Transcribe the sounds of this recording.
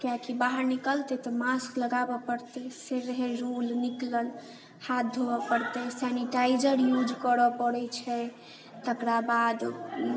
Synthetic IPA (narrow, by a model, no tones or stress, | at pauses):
kjakibaɦəɾnikəlt̪ɛt̪ɔmaskləɡabɔpəɾt̪ɛseɾəɦeɾolnikləl | hat̪̚d̪ʱobɔpəɾt̪ɛsɛniʈajd͡ʒəɾjud͡ʒkəɾəpəɽɛt͡ʃʰɛ | t̪əkɾabad̪